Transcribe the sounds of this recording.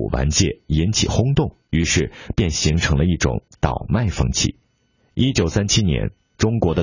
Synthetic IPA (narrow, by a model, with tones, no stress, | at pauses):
ṵ˨˩wa̰˧˥nt͡ɕjɛ̰˥˩i˧˥nt͡ɕʰḭ˨˩xʊ˥ŋt̪ʊ˥˩ŋ | y˧˥ʂɻ̩˥˧pjɛ˥˩nɕi˧˥ŋʈ͡ʂʰɤ˧˥ŋlə˧i˥˩ʈ͡ʂʊ̰˨˧˩ŋt̪ɑ˨˩ʊma˥˩ɪfɤ̰˥ŋt͡ɕʰḭ˨˩˦ | i˥t͡ɕjo˨˩ʊsa˥nt͡ɕʰi˥njɛ̰˧˥n | ʈ͡ʂʊ˥ŋkwɔ˧˥d̪ə˧